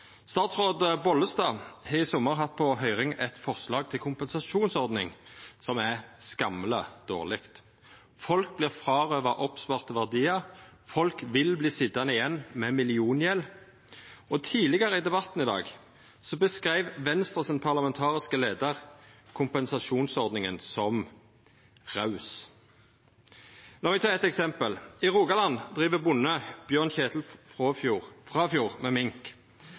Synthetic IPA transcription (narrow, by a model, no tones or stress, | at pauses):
st̪ɑːt̪sʁoːd̪əbɔləsd̪ɑːhɑɪsɔmːəʁɦɑt̪̚ːpʰɔɦœʏʁɪŋɛt̪fɔʁslɑːɡ̚t̪ʰɪlkʰʊmpɛnsɑʃuːnsɔʁd̪nɪ̰ŋsɔmæʁskɑmləd̪̥o̰ːʁlɪkt̪ | fɔlk̚blɪːʁfʁɑːʁøːʋəʔɔpspɑʁt̪əʋæʁd̪iːɑfɔlkʋɪlbliːsɪd̪ɑnəɪjɛnːmɛmɪlɪuːnjɛl | ɔt̪ʰiːlɪɡəʁəɪd̪ɛbɑt̪n̩ɪd̪ɑ̰ːɡ | sɔbəskʁæɪʋʋɛnst̪ʁɑsɪnpʰɑʁlɑmɛnt̪ʰɑːʁɪskəleːd̪əʁkʰʊmpɛnsɑʃuːnsɔʁd̪nɪŋə̰nsɔm | ʁɑʉs | lɑːmɪt̪ʰɑːɛt̪ɛksɛmpəlɪʁuːɡɑlɑnd̪ʁiːʋəbʊnəb̥jøːʁnçeːt̪l̩ffʁɑfjuːʁmɛmɪŋk